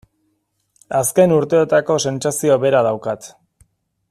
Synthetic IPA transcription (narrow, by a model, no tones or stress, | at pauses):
aske̞nuɾt̪e̞et̪ako̞se̞nt͡sasio̞βe̞ɾað̞awkat̪